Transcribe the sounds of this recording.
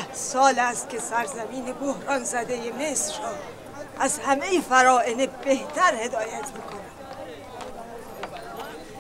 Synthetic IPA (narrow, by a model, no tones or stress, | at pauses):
hsɒːlæst̪̚kʲʰe̞sæɾzæmiːnebohɾɒːnzæd̪e̞jeme̞sɾɒː | ʔæzhæmejifæɾɒːʔenebeht̪ʰæɾhe̞d̪ɒːjæt̪ʰmiːkʰo̞næm